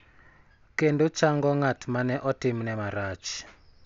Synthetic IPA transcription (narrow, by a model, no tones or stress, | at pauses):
kɛndut͡ʃaŋɡɔŋatʰmanɛʔɔtimnɛmaɾat͡ʃ